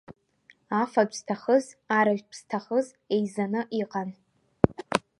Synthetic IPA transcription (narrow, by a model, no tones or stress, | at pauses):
afad͡ʒʷʼz̥tʰaχəzaɾaʒʷpʰz̥tʰaχəz | e̞jzanɨʔiqʼan